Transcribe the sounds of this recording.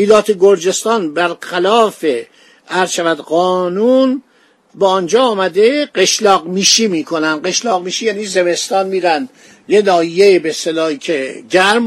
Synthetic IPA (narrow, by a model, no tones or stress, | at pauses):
iːlɒːt̪ʰeɡoɾd͡ʒe̞st̪ɒːnbæɾxælɒːfe | æɾzʃævæd̪ɢɒːnun | bæːnd͡ʒɒːmæd̪eɢeʃlɒːɡmiːʃiːmiːkʰo̞nænd̪ɢeʃlɒːɣmiːʃijæːniːze̞me̞st̪ɒːnmiːɾæn | jenɒːhijejebest̪elɒːicʰeɟæɾm